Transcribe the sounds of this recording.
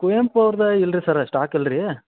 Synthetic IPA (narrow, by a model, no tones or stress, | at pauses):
kujempɐʋɾd̪ɐilɾisɐɾɐʂʈaːkilɾi